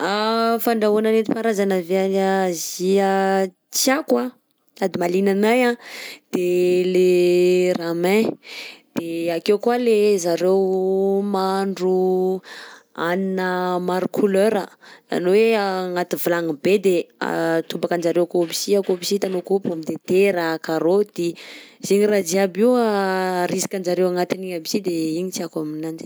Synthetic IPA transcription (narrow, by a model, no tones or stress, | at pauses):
afaɳɖ͡ʐaunanet̪i̥paɾazanaveaazia | t͡siakwa | ad̪imalinanajãd̪̥eleramɛ̃ | d̪̥eakewkualezaɾewmaɳɖ͡ʐu | aninəmaɾukʰuløɾəa̰noweaŋat̪ivulaŋibed̪ea̰t̪umbakand͡ʒaɾewakobisiakobisit̪anokopamid̪et̪eɾakaɾod̪̥ezeɲirad͡ʒiabiwaɾisi̥kʲand͡ʒaɾewaŋat̪iniɲabisid̪eiɲit͡siakaminand͡ʒ